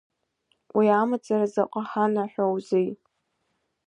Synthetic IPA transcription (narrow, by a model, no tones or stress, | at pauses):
wʔiamat͡sʼarazaqʷʼaħanaħʷᶣawzij